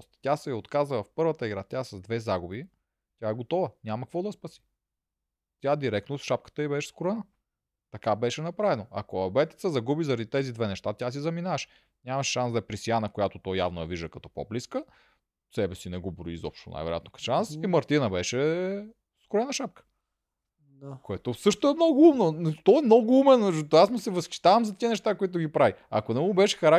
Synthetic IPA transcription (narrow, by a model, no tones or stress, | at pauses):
st̪t̪ʲasɛot̪kazəvɐfpɤɾvət̪əiɡɾat̪ʲasɐzd̪vɛzaɡubi | t̪ʲaɛɡot̪ɔvənʲamɐkvɔd̪ɐspɐsi̥ | t̪ʲjad̪iɾɛk̚t̪nosʃap̚kə̥t̪əibɛʃɛ̥skʊɾɛnə | t̪ɐkabɛʃɛnɐpɾavɛnoɐ̰koɐbɛt̪i̥t̪səzɐɡubizɐɾɐd̪it̪ɛzid̪vɛnɛʃt̪at̪ʲas̬izɐminaɐʃ | nʲamɐʃʃansd̪ɐɛpɾisijanəkojat̪ot̪ɔjavnojɐviʒd̪əkɐt̪ɔpo̰bliskə | sɛbɛsinɛɡobɾoḭzɔ̰pʃt̪o̰na̰jvɛɾo̰jat̪nokɐ̥ʃansimɐɾt̪inəbɛʃɛ | skɾɛnɐʃap̚kə̥ | koɛt̪osɤʃt̪oɛmnɔɡʊumnot̪ɔɛmnɔɡʊumɛnɐd͡ʒut̪asmosɛvəsxi̥ʃt̪avɐmzɐt̪iənɛʃt̪akoit̪ʊɡipɾaviɐ̰konɛɡobɛʃɛ̥xɐɾa